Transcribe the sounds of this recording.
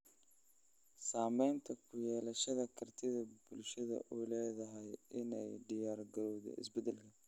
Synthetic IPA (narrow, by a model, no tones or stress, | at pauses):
saːmɛjnt̪ʰɐkʰʊjɛːlɐʃɐðɐkʰɐrt̪ʰɪðɐbʊlʃɐðɐ̰ʔuːlɛːðɐɦɛjɪnɛ̰jɖɪjaːrɡɐɾɔwðɛ̰ʔɪ̰sbɛd̪ɛlkʰɐ